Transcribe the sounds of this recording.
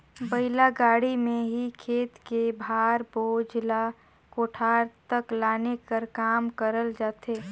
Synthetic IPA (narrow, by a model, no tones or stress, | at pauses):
bəɪlaɡaːɽimẽɦikʰeːt̪kebʱaːɾboːd͡ʒla | koːʈʰaːɾt̪əklaːnekəɾkaːmkəɾəld͡ʒaːt̪eː